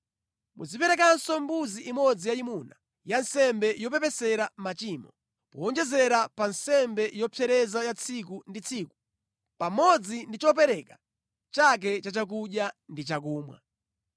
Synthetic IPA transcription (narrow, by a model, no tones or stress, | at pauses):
mṵzipɛɾɛk̬ansɔmbuziʔimɔd͡zijaimuna | jansɛmbɛjɔpɛpɛsɛɾamat͡ʃimɔ | pɔɔnd͡ʒɛzɛɾapansɛmbɛjɔpʰɛɾɛzajat͡sʰikundit͡sʰiku̥ | pamɔd͡zindit͡ʃɔp̬ɛɾɛkḁ | t͡ʃak̬ɛt͡ʃat͡ʃak̬uɗjandit͡ʃakuːmwa̰